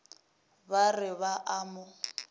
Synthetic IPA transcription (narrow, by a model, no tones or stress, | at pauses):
barɪβaʔamʊ